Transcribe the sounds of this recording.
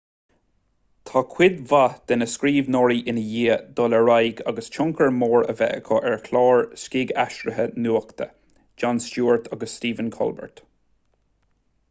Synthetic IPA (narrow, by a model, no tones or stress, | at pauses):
t̪ʰɑkʰw̥ɪd̪vad̪̥ɛnəskɾiːvnɔɹiʔɪnəjiːd̪ɔləɹajɡa̰ɡəst͡ʃʰʊŋkʰəɹmoːɹə̰vɛ̰ʔə̰kʰɔʔɛɹkʰlɑːɹskiːɡaʃɾəɦənuːəkt̪ʰə̰ | d͡ʒanst͡ʃuːɹt̪ʰaɡəsːt̪iːvənkʰɔ̰lbə̰ɹt̪